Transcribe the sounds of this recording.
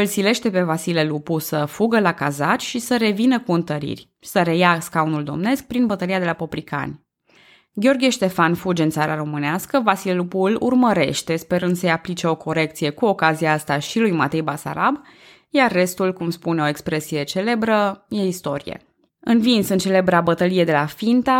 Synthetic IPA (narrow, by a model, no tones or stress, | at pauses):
ɨlsile̞ʃt̪e̞pe̞vasile̞lupusəfuɡəlakazat͡ʃʲʃisəɾe̞vinəkuɨnt̪əɾḭrʲ | səɾe̞jaskaunuld̪o̞̰mne̞sk̚pɾinbət̪əɾiad̪e̞lapo̞pɾika̰nʲ | ɡʲo̞rɡʲieʃt̪e̞fanfud͡ʒɨnt̪saɾaɾo̞mɨneaskəvasilelupulṵrməɾe̞̰ʃt̪e̞spe̞ɾɨnd̪səjaplit͡ʃe̞o̞kʰo̞ɾe̞k̚t̪sije̞kuo̞kazijaast̪aʃilujmat̪e̞jbasa̰ɾa̰b | jarːe̞st̪ulkumspune̞o̞e̞kspɾe̞sije̞t͡ʃe̞le̞bɾəje̞ist̪o̞ɾijḛ | ɨnvinsɨnt͡ʃe̞le̞bɾeabət̪əlije̞d̪e̞lafint̪a